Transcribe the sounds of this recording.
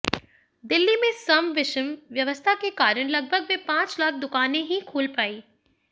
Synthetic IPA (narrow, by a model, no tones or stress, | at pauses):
d̪ɪlːimẽsɐmʋɪʃəmʋjɐʋəst̪ʰakekaːɾəɽ̃lɐɡ̚bʱəɡʋepãːt͡ʃlaːk̚ʰd̪ʊkaːnẽɦĩkʰuːlpaːiː